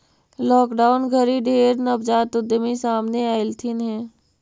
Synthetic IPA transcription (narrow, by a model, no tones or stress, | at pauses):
lɔːkɖaːʊnɡʱəɾiɖeːɾnəbd͡ʒaːt̪ʊd̪əmisaːmneaːɪlt̪ʰɪnɦɛ̃ː